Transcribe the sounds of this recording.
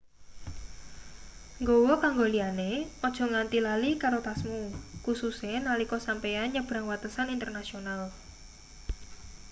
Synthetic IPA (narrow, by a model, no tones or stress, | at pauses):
ŋɡowɔkaŋɡolianeɔd̥ʒ̥ɔ̤ŋant̪ilalikaɾot̪asmukususenalikɔsampejanɲəb̥ɾaŋwat̪əsanint̪ərnasional